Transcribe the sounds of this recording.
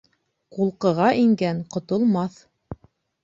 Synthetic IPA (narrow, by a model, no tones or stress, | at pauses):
qulˠqɤ̆ʁɑʔiŋɡæŋqŏt̪ŏlˠmɑθ